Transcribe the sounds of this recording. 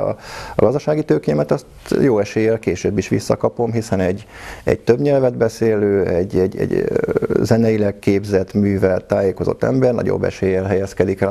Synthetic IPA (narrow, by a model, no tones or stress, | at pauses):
ɒ̰ɒɡɒzd̪ɒʃaːɡit̪øːkeɛmɛt̪ɒst̪joːɛʃeːjɛlkeːʃøːbːiʃʋḭsːɒkɒpo̞mɦisɛnɛɟːɛ̰ɟt̪øbɲɛlvɛd̪bɛseːløːɛɟːɛ̰ɟɛ̰ɟ | zɛnɛjilɛkkːeːbzɛt̪myːvɛlt̪aːjeːko̞zo̞̰t̪ːɛ̰mbɛrnɒ̰ɟo̰bːɛ̰ʃeːjɛlɦɛjɛskɛd̪ikɛ